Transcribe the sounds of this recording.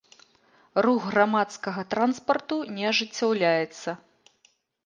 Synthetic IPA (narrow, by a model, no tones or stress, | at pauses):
ruɣɣramat̪skɐɣɐt̪ɾanspɐrt̪unʲɛaʐɨt͡sʲːawlʲajɛt̪sːɐ